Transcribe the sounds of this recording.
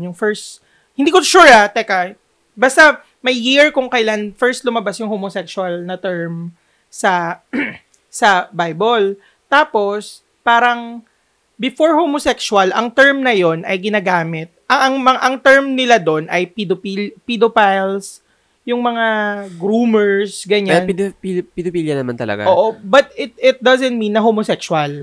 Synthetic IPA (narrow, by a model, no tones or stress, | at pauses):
jʊŋfɛɹst̪ | hɪnd̪ikoʃuɹat̪ɛkɐ | bast̪ɐ | mɐjːiɹkʊŋkɐjlanfɛɹst̪̚lʊmɐbasjʊŋhomosɛkswɐlnɐt̪ɛɹm | sɐ | sɐbajbol | t̪aːpo̞s | paːɾɐŋ | bɪfoɹhomosɛkswɐlʔɐŋt̪ɛɹmnɐjo̞nʔɐ̰jɡɪnaːɡaːmɪt̪̚ʔɐɐŋmɐŋʔɐŋt̪ɛɹmnɪlad̪o̞nʔɐjpid̪opilpid̪opajls | jʊŋmɐŋaɡɾumɛɹsɡɐɲaɛnpid̪pipɪd̪opiljɐnɐma̰nt̪ɐlɐ̰ɡa̰ʔoʔobɐt̪̚ɪt̪̚ɪt̪̚d̪ɐzɛnt̪̚mĩnːɐɦomosɛksʊɐl